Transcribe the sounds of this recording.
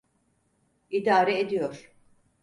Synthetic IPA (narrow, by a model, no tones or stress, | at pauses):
id̪aːɾɛed̪ijoɾ̥